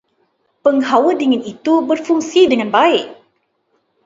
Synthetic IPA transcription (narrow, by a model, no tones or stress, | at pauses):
pəŋhawədiŋɪnit̪ubərfuŋsidəŋanbaɪk̚